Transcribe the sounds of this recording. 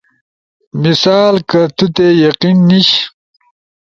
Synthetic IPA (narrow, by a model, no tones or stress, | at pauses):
misaːlkɐt̪ut̪ejɐqinːiɕ